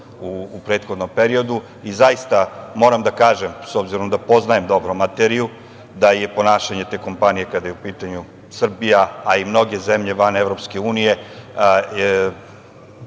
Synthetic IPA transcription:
uːpɾet̪xo̞d̪no̞mpeɾio̞d̪u | izajist̪amo̞ːɾamd̪akaːʒemsobziɾomd̪apo̞znajemd̪o̞bɾomat̪eɾiju | d̪aje̞po̞naːʃaɲe̞t̪e̞ːko̞mpanije̞kad̪ajeupiːt̪aɲu | sr̩bijaːimno̞ɡe̞zemʎe̞ʋanevɾo̞pske̞uːnije̞

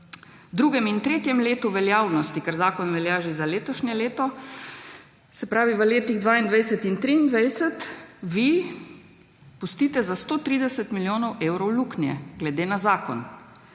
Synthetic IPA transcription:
d̪ɾuːɡɛmint̪ɾeːt̪jɛmleːt̪uʋɛljaːwnɔst̪ikaɾzaːkɔnʋɛljaːʒizaleːt̪ɔʃɲɛleːt̪ɔ | sɛpɾaːʋiʋəleːt̪iɣd̪ʋaːind̪ʋajsɛt̪int̪ɾiind̪ʋajsɛt̪ʋi | pust̪iːt̪ɛzast̪oːt̪ɾiːd̪ɛsɛt̪miljoːnɔweːwɾɔwluknjɛ̰ɡlɛd̪eːnazaːkɔ̰n

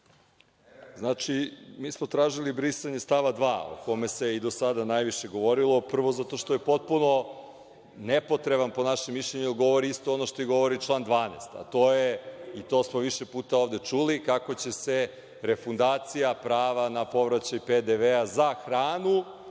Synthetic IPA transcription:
znat͡ʃimiːsmo̞t̪ɾaːʒilibɾisaɲe̞st̪aʋad̪ʋaːo̰ko̞me̞se̞id̪osad̪anajʋiʃe̞ɡo̞ʋoɾilˠo̞pr̩ʋo̞zat̪oʃt̪oje̞po̞t̪̚puno̞ | nepo̞t̪ɾe̞banpo̞naʃemːiʃʎʲeɲujelɡo̞ʋo̞ɾiist̪o̞ono̞ʃt̪o̞iɡo̞ʋoɾit͡ʃlˠaːnd̪ʋaːnḛst̪a̰t̪oːjeit̪osmo̞ʋiʃepuːt̪aoʋd̪e̞t͡ʃulikako̞t͡ɕe̞se | ɾefund̪aːt̪sijapɾaːʋanapo̞ʋɾat͡ɕajped̪eʋeazaxɾaːnu

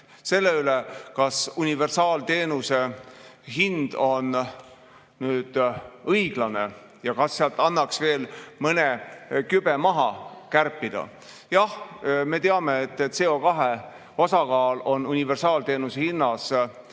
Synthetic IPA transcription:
se̞lːe̞ylekɑsunʲive̞rsɑːlt̪e̞ːnuse̞ɦind̪̥o̞n | nyːd̪̥ɤjɡ̥lɑne̞ | jɑkɑsːeɑlt̪ːˑɑnːɑksve̞ːlmɤne̞kyb̥e̞mɑɦɑkærpːˑid̪̥ɑ̰ | jɑhme̞t̪eɑme̞ːt̪ːˑese̞o̞kɑɦe | osɑkɑːlo̞nunʲive̞rsɑːlt̪e̞ːnusehinːɑs

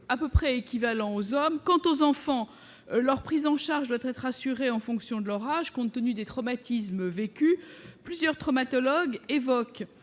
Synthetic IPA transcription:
apøpχɛekʲivalɑ̃ozɔmkɑ̃t̪ozɑ̃fɑ̃ | lœʁpχizɑ̃ʃaʁʒd̪wat̪ɛt̪χasyʁeɑ̃fɔ̃ksjɔ̃d̪əlœʁaʒkɔ̃t̪ːənyd̪et̪χɔmat̪ʰis̬mvekʲyplyzjœʁt̪χɔmat̪ɔlɔɡevɔk

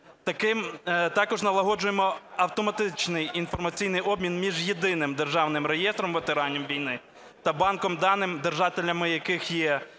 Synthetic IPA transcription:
t̪ɐkɪmt̪ɑkɔʒnɐlˠɐɦɔd͡ʒʊjemɔɐwt̪ɔmɐt̪ɪt͡ʃnɪjinfɔrmɐt͡sʲijnɪjɔbmʲinmʲiʒjed̪ɪnɪmd̪erʒɑwnɪmrejɛst̪ɾɔmʋet̪eɾɑnʲimʋʲijnɪ | t̪ɐbɑnkɔmd̪ɑnɪmd̪erʒɑt̪ʲɪlʲɐmɪjɐkɪxjɛ

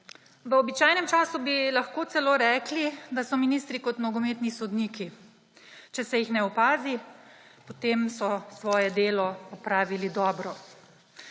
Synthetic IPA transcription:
ʋəɔbit͡ʃaːjnɛmt͡ʃaːsubilaxkoːt̪sɛloːɾɛːklid̪asɔminist̪ɾikɔt̪mnɔɡɔmeːt̪nisɔd̪niːki | t͡ʃɛsɛjixnɛɔpaːzi | pɔt̪eːmsɔsʋɔːjɛd̪eːlɔpɔpɾaːʋilid̪ɔːbɾɔ

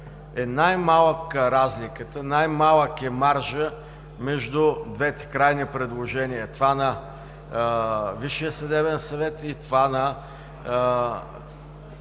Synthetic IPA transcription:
ɛnajmalˠəkəɾazlikət̪ənajmalˠəkɛmaɾʒə | mɛʒd̪ʊd̪vɛt̪ɛ̥kɾajnipɾɛd̪lˠoʒɛnijət̪ovanɐ | viʃijəsɐd̪ɛbɛnsɐvɛt̪it̪ovanɐ

